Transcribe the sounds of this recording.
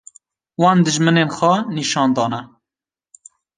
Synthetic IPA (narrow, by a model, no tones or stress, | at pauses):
wɑːnd̪ɨʒmɨneːnxʷɛniʃɑːnd̪ɑːnɛ